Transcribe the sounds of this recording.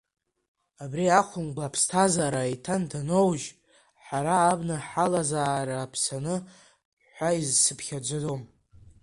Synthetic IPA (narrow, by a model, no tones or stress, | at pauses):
abriaχʷʊmɡʷaːpʰstʰazaːɾajtʰandanowʒ | ħaɾaːbnaħalazaːɾaːpʰsanɨ | ħʷaizsɨpʰχʲad͡ʒʷɨdom